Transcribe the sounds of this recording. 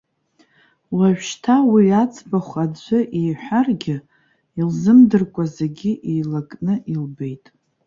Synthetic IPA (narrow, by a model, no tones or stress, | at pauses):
waʒᶣʃtʰawiat͡sʼbaχʷadd͡ʒʷɨʔejħʷᶣarɡʲɪ | ilzɨmdɨrkʷʼazeɡʲiʔilakʼnɨʔilbe̞jtʼ